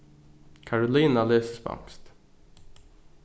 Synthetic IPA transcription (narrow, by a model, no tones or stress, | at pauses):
kʰaɹʊliːnaleːsə̥spɑ̰ŋst̪